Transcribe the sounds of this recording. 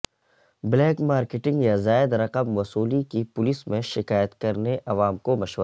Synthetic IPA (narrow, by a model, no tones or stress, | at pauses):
blɛːkmaːɾkɪʈɪ̃ŋɡjazaːɪd̪ɾɐqəmʋɐsuːlikipʊlismẽʃɪkaːjət̪kɐɾneʔɐʋaːmkomɐʃʋ